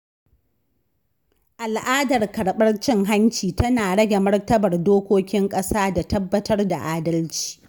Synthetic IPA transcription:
ʔa˨lʔaː˦dɐ˨rkɐ˨ɽɓɐ˦rt͡ʃɪ˦ŋɦa˦ɲt͡ʃiː˨tɐ˦naː˨ɽɐ˦ɡʲe˨mɐ˦rtɐ˦bɐ˨rdoː˦kʷoː˦kʲɪ˦ŋkʼɐ˦saː˦da˨tɐ˦bːɐ˦tɐ˦rda̰˨ʔaː˦dɐ˦lt͡ʃi̥ː˨

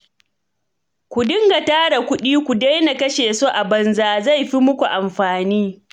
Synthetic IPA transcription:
kʷu˨dɪ˦ŋɡa˨taː˦ɽa˨kʷʊ˦ɗiː˦kʷu˨da˦jna˨kɐ˦ʃeː˨soː˦ʔa˨bɐ˨nzaː˨za˦˨jɸi˦mʊ˦kʷu˨ʔa˨mɸaː˨niː˦

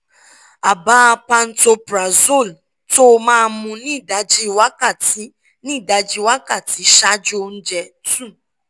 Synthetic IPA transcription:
a˨baː˦pa˧n̩˦to˧pɾa˨zo˦˨l | to˦mãː˦˨mũ˧nĩ˦˨da˨˦d͡ʒi˦˨wa˦ka˦˨ti˦ | nĩ˦˨da˨d͡ʒi˦wa˦ka˦˨ti˨ʃa˦d͡ʒo˦n̩˦d͡ʒɛ˧ | tũ˦˨

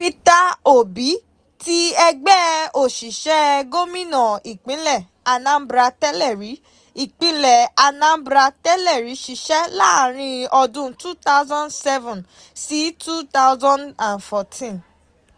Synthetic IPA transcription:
pi˦ta˦o˨bi˨˦ | ti˦ɛ˧ɡ͡bɛ˦o˨ʃi˨ʃɛ˦ɡo˦mĩ˦nã˨i˨k͡pĩ˨˦lɛ˦˨ | a˧nã˨˦bɾa˧tɛ˦lɛ˦˨ɾi˨˦ | i˨k͡pĩ˨˦lɛ˦˨a˧nã˦bɾa˧tɛ˦lɛ˦˨ɾi˨˦ʃi˨ʃɛ˦la̰˦˨ɾ̃ĩ˧ɔ˧dũ˦tu˦t̪a˦ʊzã˦nsɛ˦vũ˨n | si˨˦tu˦t̪a˦ʊzã˦ndã˨nfɔ˧tʰĩ˦n

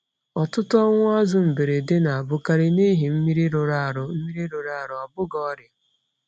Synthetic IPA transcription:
ɔ˨tʊ˦tʊ˦ɔ˦ŋʷʊ˦a˦zʊ˨m̩˨be˨ɾe˨dɪ˦na˨a˨bʊ˦ka˦ɾɪ˦ni˦ɦi˨m̩˦mi˦ɾi˦ɾʊ˨ɾa˦˨ɾʊ˦m̩˦mi˦ɾi˦ɾʊ˨ɾa˦a˨ɾʊ˨a˨bʊ˦ɡɔ˦ɾja˨

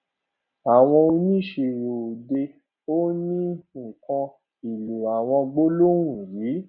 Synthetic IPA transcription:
a˨w̃ɔ̃˧o˧nĩ˦ʃe˧˨ɾo˨o˨de˧ | o˦nĩ˦ŋ̩˨kɔ̃˧ | i˨lu˨a˨w̃ɔ̃˧ɡ͡bo˦lo˦w̃ũ˨ɾi˨˦

